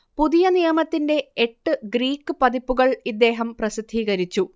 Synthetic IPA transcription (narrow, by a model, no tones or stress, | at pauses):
puðijɐnijɐmɐt̪ːinde̞eʈːɨɡriːkːɨpɐðipːuɣɐɭid̪ːe̞ːɦɐmprɐsid̪ʱːiːɣɐɾit͡ɕːu